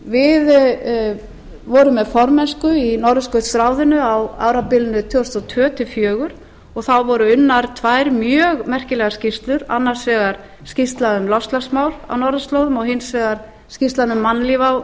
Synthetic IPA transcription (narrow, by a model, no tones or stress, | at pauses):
vɪð | vɔɾʏmːɛðfɔɾmɛnskʏinɔɾðʏskœɥt̪st̪ɾaːwðɪnʏawa̰ːwɾapɪlnʏt̪ʰʏɔst̪ɔt̪ʰœːt̪ʰɪfjœːɣʏɾ̥ | ɔɣθawvɔɾʏʏnːaɾ̥t̪ʰvaːjɾmjœːɣmɛr̥cɪlɛɣascist̪lʏɾa̰nːaɾ̥svɛːɣaɾ̥ | scist̪laðʏmlɔst̪lasmaːwla̰wnɔɾðʏst̪lowðʏmɔɣhɪnsvɛːɣaɾ̥ | scist̪laðnʏmːanlivaw